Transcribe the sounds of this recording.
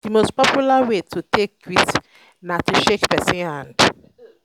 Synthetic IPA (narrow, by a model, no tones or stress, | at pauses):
dimospɔpʰjulawetʰutʰek̚wit | natʰuʃekpɛsĩnhãnd